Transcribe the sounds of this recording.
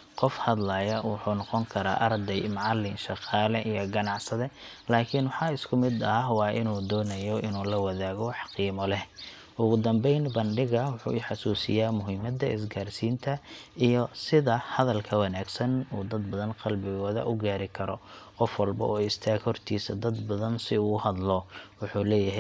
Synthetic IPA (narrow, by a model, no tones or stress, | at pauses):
qɔfhɐd̪laːjɐwʊħuːnɔqɔŋkʰɐɾa̰ːʔɐrd̪ɛjmɑʕɑlːɪnʃɑqɑːlɛʔijɔɡɐnɑʕsɐðɛ | laːkʰɪnwʊħɑːɪskʰʊmɪd̪ɐwɑːʔɪnuːd̪ɔːnɐjɔʔɪnuːlɐwɐðaːɣɔħɑ̥qiːmɔlɛ | ʔʊɣʊd̪ɐmbɛjnbɐnɖɪɣɐwʊħṵːɪħɑsuːsɪ̰jaːmʊɦɪmɐd̪ɐʔɪs̬ɡaːrsiːnt̪ʰɐijɔsɪðɐhɐðɐlkʰɐwɑnaːɡsɐnuːd̪ɐd̪bɐðɐnqɑlbɪɣɔːðɐ̰ʔʊɡaːɾɪkʰɐɾɔqɔfwɐlbɐ̰ʔɔːɪst̪ʰaːɡhɔrt̪ʰiːsɐd̪ɐd̪bɐðɐnsɪuːʊhɐd̪lɔwʊħuːlɛːjɐɦɛ